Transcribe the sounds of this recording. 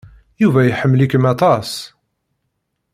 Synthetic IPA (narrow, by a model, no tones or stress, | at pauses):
juvæjħəmːlikmæt̪ˤɑs